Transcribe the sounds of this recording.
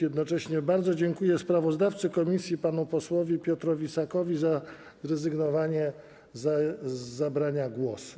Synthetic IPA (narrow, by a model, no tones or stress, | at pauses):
ɛd̪nɔt͡ʂɛɕɲɛbaɾd̪zɔd͡ʑɛŋkujɛspɾavɔzd̪aft̪sɘkɔmʲisʲjipanupɔswɔvʲipʲjɔt̪ɾɔvʲisakɔvʲiza | zɾɛzɘɡnɔvaɲɛ | zː | abɾaɲaɡwɔs